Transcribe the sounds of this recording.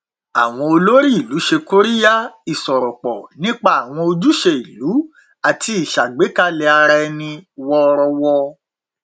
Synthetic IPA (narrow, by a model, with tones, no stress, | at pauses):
a˨w̃ɔ̃˧o˧lo˦ɾi˦i˨lu˨˦ʃe˧ko˦ɾi˦ja˦i˨sɔ˨ɾɔ˨k͡pɔ˨nĩ˦k͡pa˦a˨w̃ɔ̃˧o˧d͡ʒu˦ʃe˧i˨lu˨˦ | a˨ti˧˦i˨ʃa˨ɡ͡be˨˦ka˦lɛ˧a˧ɾɛ˧nĩ˧wɔ˧ɾɔ˧wɔ˧